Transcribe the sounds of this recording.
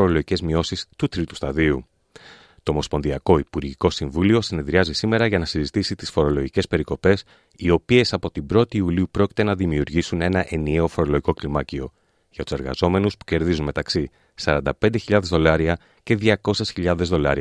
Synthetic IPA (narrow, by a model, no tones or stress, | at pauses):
oɾoloʝice̞zmio̞sist̪ut̪ɾit̪u̥st̪ɐðiu | t̪o̞ːmo̞spo̞nðiɐko̞ipuɾʝiko̞siɱvulio̞sine̞ðɾiɐzisime̞ɾɐʝɐnɐsizit̪isit̪isfo̞ɾo̞lo̞ʝice̞spe̞ɾiko̞pe̞s | io̞pie̞sɐpo̞t̪ibɾo̞t̪iːuliupɾo̞cit̪e̞nɐðimiuɾʝisune̞nɐʔe̞nieo̞fo̞ɾo̞loʝiko̞klimɐcio̞ | ʝɐt̪u̥se̞ɾɣɐ̰zo̞me̞nuspu̥ce̞ɾðizunme̞t̪ɐksi | sɐɾɐnd̪ɐpe̞nd̪eçiʎɐðe̞zðo̞lɐɾiɐ | ce̞ðʝɐko̞se̞sçiʎɐðezðo̞lɐ̰ɾi